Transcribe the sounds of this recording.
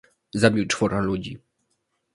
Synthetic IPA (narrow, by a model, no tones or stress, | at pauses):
zabʲiwt͡ʂfɔɾalud͡ʑi